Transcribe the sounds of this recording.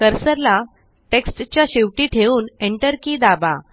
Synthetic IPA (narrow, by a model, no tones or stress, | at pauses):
kəɾsəɾla | ʈeksʈt͡ɕjaɕiʋʈiːʈʰeuːneɳʈəɾkiːd̪aba